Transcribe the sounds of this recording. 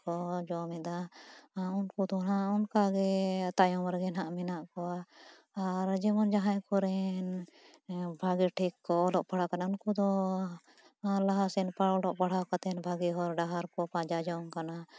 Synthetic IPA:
kɔd͡ʒɔmɛd̪a | unkud̪ɔnaʔunkaɡɛt̪ajɔ̃maɾɡɛnãʔmɛnaʔkɔaː | ɾd͡ʒɛmɔnd͡ʒaɦãjkɔɾɛn | bʱaɡiʈʰikːɔɔlɔʔpaɽakanaunkud̪ɔ | laɦasɛnpaɽɔlɔʔpaɽ̤akat̪ɛnbʱaɡiɦɔɾɖaɦaɾkɔpãd͡ʒad͡ʒɔŋkana

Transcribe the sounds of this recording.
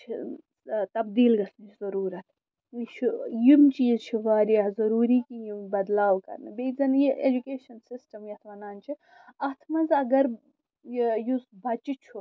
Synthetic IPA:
t͡ʃʰi | t̪ɐbd̪iːlɡɐsnit͡ʃʰzɐɾuːɾɐt̪ʰ | it͡ʃʰijumt͡ʃiːzt͡ʃʰiʋaːɾiɐzɐɾuːɾiːkijimbɐd̪laːwkɐ̰ɾnɨbeːzɐnjiʔed͡ʒukeːʃɐnsisʈɐmjɐt̪ʰʋɐnaːnt͡ʃʰi | ɐt̪ʰmɐzɐɡɐɾ | jusbʱɐt͡ʃit͡ʃʰu

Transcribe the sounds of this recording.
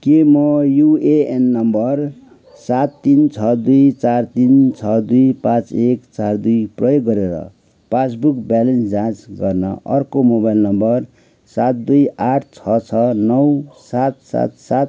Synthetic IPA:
kemʌjueenːʌmbʌr | sat̪ːint͡sʰʌd̪ujt͡sart̪int͡sʰʌd̪ujpãt͡sekt͡sard̪ujprʌjoɡːʌɾeɾʌ̰ | pas̬bukbjalensd͡zãt͡sɡʌrnʌ̰ʔʌ̰rkomobajlnʌmbʌr | sat̪̚d̪ujaʈʰt͡sʰʌt͡sʰʌnʌwsat̪̚sa̰t̪̚sat̪̚

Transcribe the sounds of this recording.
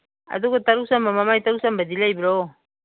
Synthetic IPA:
a̰dukotaɾusambamamajt̪aɾusambadilajbiɾo

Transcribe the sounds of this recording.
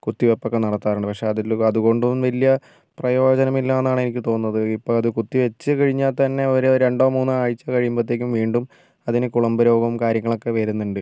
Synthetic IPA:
kut̪ːiʋepːo̞kːenɐɽɐt̪ːaːɾuɳɖɨpɐkʂe̞ɐðilɐðuɣo̞ɳɖuʋɐlijɐ | prɐjo̞ːd͡ʑɐnɐmilːaːenːaːɳɨenikʲːɨt̪o̞ːnːɐðɨipːoːɭɐðɨkut̪ːiʋet͡ɕːɨkɐɻiɲːaːlt̪ɐnːe̞oɾɾe̞ɳɖoːmuːnːɨaːɻit͡ɕːakɐɻijumbɐt̪ːeːkʲːumʋiːɳɖum | ɐðinɨkuɭɐmbɐɾo̞ːɡɐmkaːɾjɐŋːɐɭo̞kːe̞ʋeːɾunːuɳɖɨ

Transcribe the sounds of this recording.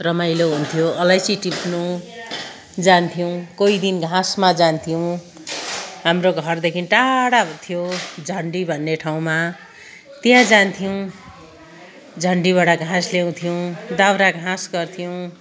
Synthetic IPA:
rʌmajloɦunt̪ʰjoʌlajsiʈipnu | d͡zant̪ʰijow̃koid̪inɡʱãsmad͡zant̪ʰijow̃ | ɦamroɡʱʌrd̪ekʰinʈaɽat̪ʰijod͡zʱʌɳɖibʱʌnːeʈʰaw̃ma | t̪jãd͡zant̪ʰijow̃ | d͡zʱʌɳɖiβaɽaɡʱãsljew̃t̪ʰijowd̪awɾaɡʱãsɡʌrt̪ʰijow̃

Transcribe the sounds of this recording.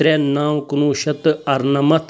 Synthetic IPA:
ɾeːnaːwkunuːʃɐt̪ɨɐɾnɐmɐt̪ʰ

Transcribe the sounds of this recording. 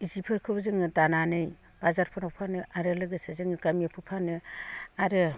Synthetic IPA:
izipʰɯɾkʰɯbzɯŋɯdananɯj | b̥azaɾpʰɔnapʰpʰanɯʔaɾɯlɯɡɯsɯzɯŋɯɡamijapʰɯpʰanɯaɾɯ

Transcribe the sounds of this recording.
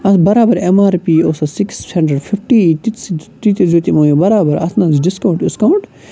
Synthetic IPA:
ɐsbɐɾaːbɐɾemaːɾpiːoːsɐsikshɐɳɖɾeɖfʰifʈiːt̪ist̪it̪izut̪imoːjobɐɾaːbɐɾɐ̰t̪ʰnɐ̃ːziɖiskɐuɳʈiskɐuɳʈ

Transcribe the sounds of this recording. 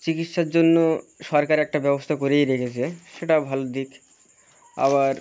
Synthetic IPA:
t͡ɕikiʈʃaɾd͡ʑonːoʃɔɾkaɾɛk̚ʈabɛbost̪ʰakoɾejɾekʰet͡ɕʰeʃeʈabʱalod̪ik | a̰βaɾ

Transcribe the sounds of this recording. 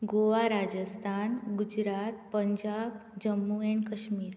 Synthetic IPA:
ɡoʋaɾad͡ʒəst̪ʰanɡud͡ʒɾat̪pəɲd͡ʒabd͡ʒəmːueɳkəʃmiːɾ

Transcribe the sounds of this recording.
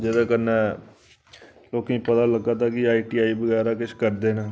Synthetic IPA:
d͡ʒed̪ãːkənɛː | loːkĩːpət̪aːləɡaːt̪aːkɪaːiːʈiːaːiːbəɡɛːɾaːkɪt͡ʃʰkəɾd̪eːnaː

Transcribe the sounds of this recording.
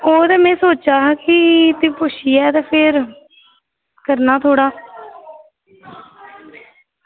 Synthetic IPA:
oːt̪ɛːmɛ̃ːsoːt͡ʃaːkɪt̪ĩːpʊʃiːɛːt̪ɛːpʰɪɾ | kəɾnaːt̪ʰoːɽaː

